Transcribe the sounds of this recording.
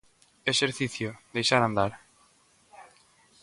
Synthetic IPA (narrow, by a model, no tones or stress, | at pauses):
eʃeɾθiθjod̪ejʃaɾand̪aɾ